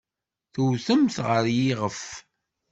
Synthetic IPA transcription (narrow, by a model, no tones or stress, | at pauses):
θuwθəmθʁəɾjiʁəf